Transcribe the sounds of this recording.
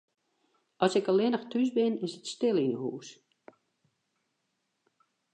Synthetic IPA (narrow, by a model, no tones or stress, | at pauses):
ɔsɛkəlɪnəxtys̬bɪnɪsətstɪlˠinəhṵːs